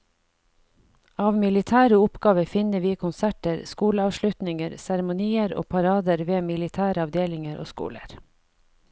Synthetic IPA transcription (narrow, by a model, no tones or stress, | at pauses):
ɑːʋmɪlɪt̪ʰæːɾəʊpɡɑːʋəfɪnəʋiːkʰʊnsæʈəɾskuːləɑːʋʃlʉt̪nɪŋəɾsæɾɛmʊniːəɾo̰ːpʰɑɾɑːd̪əɾʋeːmɪlɪt̪ʰæːɾəɑʋd̪eːlɪŋəɾʔo̰ːskṵːlə̰ɾ